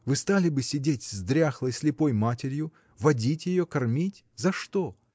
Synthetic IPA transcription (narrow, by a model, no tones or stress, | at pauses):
vɨst̪alʲɪbɨsʲɪdʲetʲzd̪ɾʲaxlˠəjsʲlʲɪpo̞jmatʲɪɾʲjʊ | vɐdʲitʲjɪjokɐrmʲitʲ | zɐʂt̪o